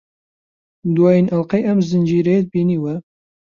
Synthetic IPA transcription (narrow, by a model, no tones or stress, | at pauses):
d̪uwɑːjinʔalqɛjʔɛmzɨnd͡ʒiːɾɛjed̪̚biːniːwɛ